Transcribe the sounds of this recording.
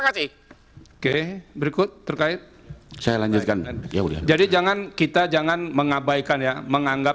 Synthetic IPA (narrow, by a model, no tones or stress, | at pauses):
akasɪh | okebəɾikʊt̪̚ːərkaɪt̪̚sajalaɲd͡ʒʊt̪̚kannja̰uda̰d͡ʒadid͡ʒaŋankit̪ad͡ʒaŋanməŋabaijkanjaməŋaŋɡa